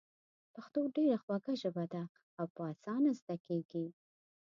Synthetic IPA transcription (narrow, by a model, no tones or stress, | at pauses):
paxt̪oɖeɾaxwaɡaʒəbad̪a | awpəɑsɑnazd̪akeɡi